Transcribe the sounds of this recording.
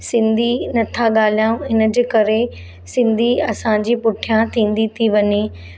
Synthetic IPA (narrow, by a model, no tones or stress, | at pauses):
sɪ̃nd̪ʱinɐt̪ʰaɠaːl̤ijãũɪnə̆d͡ʑeːkɐɾe | sɪ̃nd̪ʱiɐsãd͡ʑipʊʈʰijãt̪ʰĩːn̆d̪it̪ʰiʋɐɲeː